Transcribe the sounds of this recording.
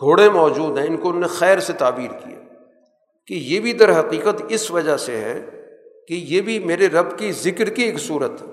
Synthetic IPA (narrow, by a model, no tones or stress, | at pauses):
ɡʱoːɽemɔːd͡ʒuːd̪ɦɛ̃ɪnkoʊnnexɛːɾset̪aːbiːɾkḭjḛː | kejeːbʱid̪əɾɦɐqiːqət̪ɪsʋɐd͡ʒaseɦɛ̰kejeːbʱimeːɾeɾɐbkizɪkɾkieːksuːɾət̪ɦɛː